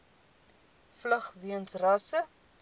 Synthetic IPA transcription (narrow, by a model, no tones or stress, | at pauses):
flɐχviənsrɐsə